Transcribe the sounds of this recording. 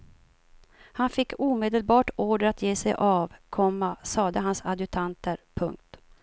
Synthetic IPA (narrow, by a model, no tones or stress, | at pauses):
hanfɪkːuːmeːd̪əlbɑːʈoːɖəɾat̪jeːsɛjʔɑːvkʰɔmːasɑːd̪əɦansad̪ɵt̪ʰant̪ʰəɾpʰɵŋk̚t̪